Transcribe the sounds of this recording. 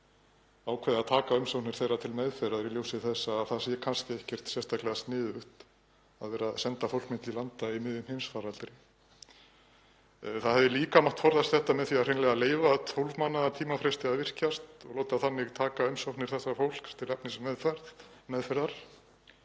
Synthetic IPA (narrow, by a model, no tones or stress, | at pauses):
aːwkʰvɛðaðt̪ʰaːkaʏmsawt̪nɪɾ̥θejrːat̪ʰɪlmɛðfɛɾaðɾiljowsɪθɛsːaːðθasjɛkʰanscɪehcɛr̥t̪sjɛst̪ʰaklɛɣast̪nɪːðʏht̪ | aðvɛːɾaðsɛnt̪afowlkmɪnt̪ilant̪aimɪðʏmhɪjnsfaɾalt̪ɾɪ | θaðhɛvðɪliːkamaht̪fɔɾðast̪θɛht̪amɛðθiaðr̥ejnlɛɣaleːjvat̪ʰowlvmanːaðat̪ʰiːmafɾɛst̪ɪaðvɪr̥cast̪ɔɣloːwt̪aθanːɪɣt̪ʰaːkaʏmsowht̪nɪɾ̥θɛsːafowl̥kt̪ʰɪlɛp̚nɪsmɛðfaɾðmɛðfɛɾðaɾ̥